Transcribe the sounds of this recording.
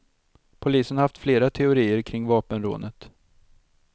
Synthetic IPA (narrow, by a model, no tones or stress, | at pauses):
pʰʊliːsənhaft̪fleːɾat̪ʰɛʊɾiːəɾkʰɾɪŋːvɑːpənɾo̰ːnət̪